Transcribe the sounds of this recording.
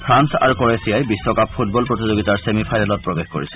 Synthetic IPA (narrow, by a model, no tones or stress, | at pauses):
pʰɹansa̰ɹukɔɹesijajbisːɔkapʰːut̚bɔlpɹot̪̬izoɡitaɹsemipʰajnalɔt̚pɹobexko̰ɹisɛ